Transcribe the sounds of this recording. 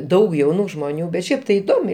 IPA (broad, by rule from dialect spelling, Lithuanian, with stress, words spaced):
ˈdɐʊk jɛʊˈnuː ʒmoːˈnʲuː bʲɛt ˈʃʲɛɪp tɐɪ ɪˈdoːmʲɛɪ